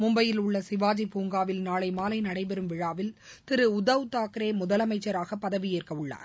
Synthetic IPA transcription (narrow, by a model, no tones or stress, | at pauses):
mʊmbɐjɪlʊɭːɐsɪʋaːd͡ʒipuːŋɡaːʋɪlnaːlɐɪmaːlɐɪnɐɽɐɪp̬ɛɾɯmʋɪɻaːʋɪl | t̪ɪɾɯʊðɐʋt̪aːkɪɾeːmʊðɐlɐmɐɪt͡ʃːɐɾaːɣɐpːɐðɐʋɪjeːrkɐɯɭːa̰ːɾ